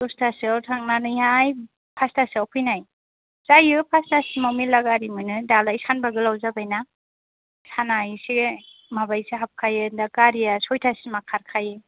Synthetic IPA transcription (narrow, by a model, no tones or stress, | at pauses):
dɔstʰaswtʰaŋnanɯjɦaj | pʰastasawpʰɯjnaj | zajɯpʰastasimawmilaɡaɾimɯnɯdalajsanbaɡɯlawzabajna | sanajsiɡe | mabajsiɦap̚kʰajɯdakaɾijasɔjtʰasimakʰaɾkʰajɯ